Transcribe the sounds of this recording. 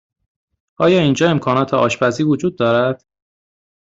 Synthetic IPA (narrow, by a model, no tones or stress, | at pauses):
ʔɒːjɒːiːnd͡ʒɒːe̞mkʰɒːnɒːt̪ʰeʔɒːʃbæziːvod͡ʒuːd̪̚ːɒːɾæd̪̥